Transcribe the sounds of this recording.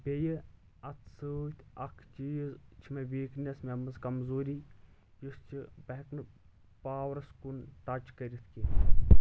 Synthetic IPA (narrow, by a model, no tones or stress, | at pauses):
bʲejɨ | ɐt̪ʰsɨt̪ʲʰɐkʰt͡ʃizt͡ʃʰimeʋiːknʲɐsmemɨzkɐmzoːɾi | just͡ʃʰibɐɦknɨ | paːwɾɐskunt̪ɐt͡ʃkɐɾʲit̪ʰki